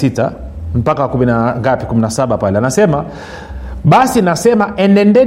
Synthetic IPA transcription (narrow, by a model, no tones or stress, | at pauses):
ita̰ | m̩pakawakuminaŋɡapikuminasaɓapalɛanasɛma | ɓasinasɛmaʔɛnɛndɛ